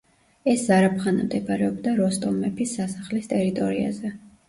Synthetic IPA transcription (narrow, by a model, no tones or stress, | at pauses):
ɛszaɾapʰχanamd̪ɛpʰʼaɾɛɔb̚d̪aɾɔst̪ʼɔmɛpʰisːasaχlist̪ʼɛɾit̪ʼɔɾia̰zɛ